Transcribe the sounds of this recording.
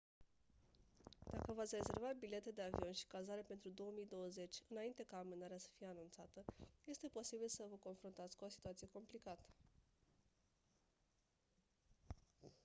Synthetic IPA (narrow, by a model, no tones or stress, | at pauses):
d̪̥a̰kəvat̪sʲre̞ze̞rvat̪̚bile̞t̪ed̪e̞avio̞nʃi̥kazaɾepe̞nt̪ɾud̪o̞wəmijd̪o̞wəze̞t͡ʃʲɨnaint̪e̞kaːmɨnaɾeasə̥fije̞anunt̪sat̪əje̞st̪e̞po̞sibilsəvəko̞nfɾunt̪at̪sʲkuo̞si̥t̪uat̪sije̞ko̞mplikat̪ə̥